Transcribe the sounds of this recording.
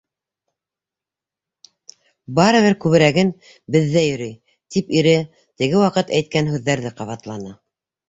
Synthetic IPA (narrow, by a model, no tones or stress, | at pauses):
bɑɾɤ̆βɘɾkʉβɘ̆ɾæɡɘn | bɘ̆ðːæjɵ̆ɾɘj | t̪ipiɾɘ | t̪ɘ̆ɡɘwɑqɤt̪æjt̪̚kænhʉðːæɾðɘqɑβɑt̪lˠɑnɑ